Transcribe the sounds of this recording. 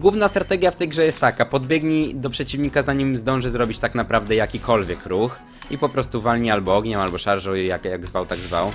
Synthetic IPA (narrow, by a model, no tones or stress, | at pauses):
ɡwuvnast̪ɾat̪ɛɡʲjaft̪ɛjɡʐɛjɛst̪ːakapɔd̪bʲjɛɡɲid̪ɔpʂɛt͡ɕivɲikazaɲimzd̪ɔ̃w̃ʐɘzɾɔbʲit͡ɕt̪aknapɾavd̪ɛjakʲikʰɔlvʲjɛkɾux | ipɔpɾɔst̪uvalɲialbɔɔɡɲɛmalbɔʂaɾʂɔ̃wjakjaɡzvawt̪aɡzva̰w